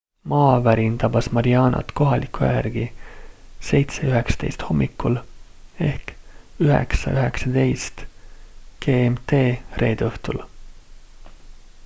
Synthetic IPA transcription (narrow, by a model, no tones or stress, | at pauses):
mɑːvæɾint̪ɑbɑsmɑɾiɑːnɑ̰t̪ko̞ɦɑlʔikːˑujæ̰rɡ̥i | se̞jt̪se̞yɦeksɑ̥t̪e̞jst̪ho̞mːikːˑule̞hkyɦɛ̰ksɑ̰yɦe̞ksɑd̪̥e̞jst̪ | ɡ̥eːemt̪e̞ːrʔe̞ːd̪ɤht̪ul